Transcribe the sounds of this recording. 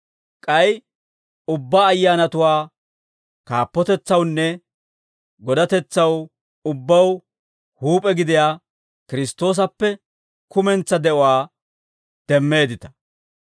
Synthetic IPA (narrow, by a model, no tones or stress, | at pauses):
kʼɐj | ʊbːaːjːaːnɐt̪ʊwaː | kaːpːɔt̪ɛt͡sːɐwnːɛ | ɡɔd̪ɐt̪ɛt͡sːɐw | ʊbːɐw | huːpʼɛɡɪd̪ɪjaː | kɪɾɪst̪ːo̞ːs̬ɐpːɛ | kʊmɛnt͡sːɐd̪ɛʔɔwaː | d̪̥ɛmːe̞ːd̪ɪt̪ɐ̥